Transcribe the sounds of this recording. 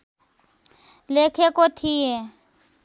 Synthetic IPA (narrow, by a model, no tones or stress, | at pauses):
lekʰɛkot̪ʰiɛ